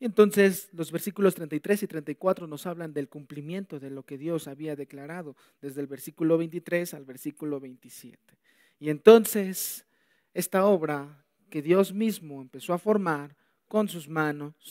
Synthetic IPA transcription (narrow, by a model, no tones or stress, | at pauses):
ie̞nt̪o̞nse̞slo̞zβe̞ɾsikulo̞st̪ɾent̪ajt̪ɾe̞sit̪ɾe̞nt̪ajkwat̪ɾo̞no̞saβland̪e̞lkumplimje̞nt̪o̞ðe̞lo̞ke̞ðjo̞saβiaðe̞klaɾaðo̞ | ðe̞zðelβe̞ɾsikulo̞βe̞jnt̪it̪ɾe̞salβe̞ɾsikulo̞βejnt̪isjḛt̪e̥ | ie̞nt̪o̞nse̞s | e̞st̪ao̞βɾa | ke̞ðjo̞zmizmo̞empe̞so̞afo̞ɾmaɾ | ko̞nsuzmano̞s